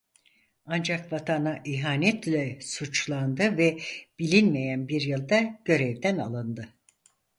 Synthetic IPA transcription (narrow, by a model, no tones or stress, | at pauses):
and͡ʒakvat̪ʰanaʔiɦaːnɛt̪lʲɛsut͡ʃlˠand̪ɯvɛb̥ilʲinmejænbiɾjɯlˠd̪aɟ̥ø̞ɾɛvd̪æna̰lˠɯnd̪ɯ